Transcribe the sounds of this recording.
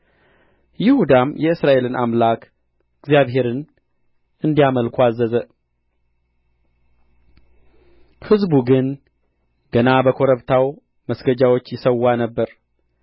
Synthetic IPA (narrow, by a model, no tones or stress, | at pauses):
jɪhud̪amjɛɨsɾaʔe̞lɨna̰mlak | ɨɡzjaβɦe̞ɾɨn | ɨnd̪ijaməlkʰʷazːəzə | hɨzbuɡɨn | ɡ̥ənabəkʰo̞ɾəβt̪ʰaw | məsɡəd͡ʒawo̞t͡ʃːjɪsəwːanəbːəɾ